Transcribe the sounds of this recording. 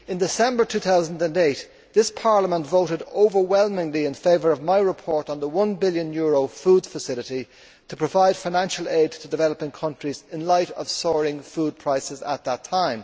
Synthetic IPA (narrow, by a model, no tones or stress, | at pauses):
ɨ̃ndɨsɛ̃mbə˞tʰʉːθaʊzə̃n̩də̃ndeɪt | ðɪspʰɑɹləmə̃ntvoʊɾɨɾoʊvə˞wɛlˠmɪ̃ŋliɪ̃nfeɪvə˞ʌvmaɪɹɪpʰɔɹɾn̩ðəwʌ̃nbɪljə̃njʊɹoʊfud̥fəsɪlɨɾi | tʰəpʰɹ̥əvaɪd̥faɪ̃næ̃nʃəlˠeɪd̚tʰədɨvɛləpɪ̃ŋkʰʌ̃nt͡ʃɹ̥izɪ̃nlaɪɾʌ̰v̥sɔɹɪ̃ŋfuːd̚pʰɹ̥aɪsɨzə̰t̪̚ðətʰãɪ̃m